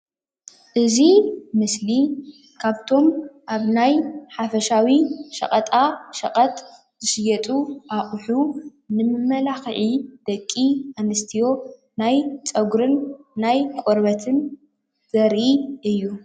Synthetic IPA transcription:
ʔɨzimɨsli | kʰaβt̪ʰo̞mʔaβnajħafɐʃawiʃɐ̰qʼɐt̪ʼaʃɐ̰qʼɐt̪ʼ | z̥ɨʃɨjɐt̪ʼuʔaχʼħu | nɨmɨmɐlaxʕid̪̥ɐkʼːiʔanɨst̪ʰijo̞ | najt͡sʼɐɡɾɨnːajkʷʼoɾbɐt̪ʰɨn | z̥ɐɾʔiʔɨjːu

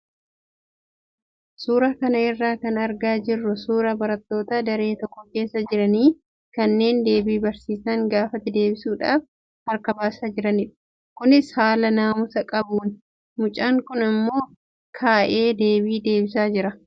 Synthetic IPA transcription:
suːɾɐkɐnɐɪrːaːkɐnɐɾɡaːd͡ʒɪrːʊsuːɾɐbɐɾɐt̪ːo̞ːt̪ɐd̪ɐɾe̞ːt̪ɔkːɔke̞ːsːɐd͡ʒɪɾɐniː | kɐnːe̞ːnd̪e̞ːbiːbɐɾsiːsɐŋɡaːfɐt̪ːɪd̪e̞ːbɪsuːᶑaːf | hɐɾkɐbaːsaːd͡ʒɪɾɐnɪᶑɐ̥ | kʊnɪshaːlɐnaːmʊsɐkʼɐbuːn | mʊt͡ʃʼaːŋkʊnɪmːo̞ː | kʰaːʔe̞ːd̪e̞ːbiːd̪e̞ːbɪsaːd͡ʒɪɾɐ

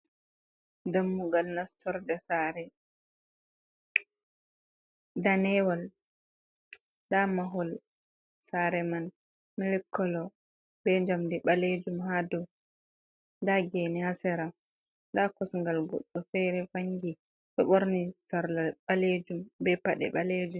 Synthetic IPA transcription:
damːuɡalnastʰɔɾdɛsaɾɛ | danɛwal | damaɦɔl | saɾɛman | milɛkʰːɔlɔ | bɛɲd͡ʒamdɛɓaled͡ʒumhadɔ | ndaɡɛnihasɛɾa | dakɔsŋɡalɡɔ̰ɗːɔfɛɾɛfaŋɡi | ɗɔɓoɾnisaɾlaɓaled͡ʒumbɛpaɗɛ̰ɓaled͡ʒum

